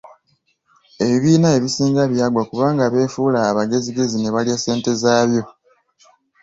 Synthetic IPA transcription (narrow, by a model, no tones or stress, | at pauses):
e̞βiβiːnae̞βisiːŋɡaβjaːɡwakuβaːŋɡaβe̞ːfuːlaːβaɡe̞ziɡe̞zine̞βaljase̞ːnte̞zaːβjo̞